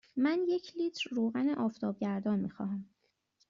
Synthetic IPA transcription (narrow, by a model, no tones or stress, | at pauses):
mænje̞cʰliːt̪ʰɾːoːɣæneʔɒːft̪ʰɒːb̚ɟæɾd̪ɒːnmiːxɒ̰ːɦæm